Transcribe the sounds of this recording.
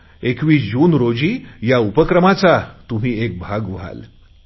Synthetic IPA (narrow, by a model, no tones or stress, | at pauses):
ekʋiːd͡ʑuːnɾod͡ʑiːjaupəkɾəmat͡sat̪um̤iːek̚bʱaɡʋ̤a̰l